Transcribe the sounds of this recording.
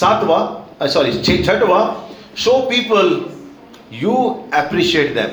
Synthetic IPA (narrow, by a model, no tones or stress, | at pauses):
sat̪ʋasɔːɾit͡ʃʰet͡ʃʰɐʈʋa | ʃoːpiːpəl | juːɛpɾiʃieːʈd̪ɛ̰̃m